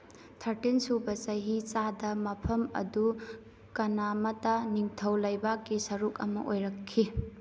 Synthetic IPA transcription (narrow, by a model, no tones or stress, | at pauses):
tʰɐɾtinsubɐsɐɦit͡ʃadɐmɐpʰɐmɐ̰du | kɐnamɐtaniŋtʰɐwlɐjbak̚ɡisɐɾukɐ̰mɐ̰ʔojɾɐkʰːi